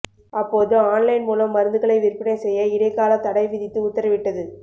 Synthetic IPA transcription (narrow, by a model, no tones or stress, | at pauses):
ɐpːoːðɯaːnlɐɪnmuːlɐmːɐɾɯnd̪ɯɣɐɭɐɪʋɪrpːɪɳɐɪsɛjːɐɪɽɐɪkaːlɐt̪ɐɽɐɪʋɪðɪt̪ːɯʊt̪ːɐɾɐʋɪʈːɐðɯ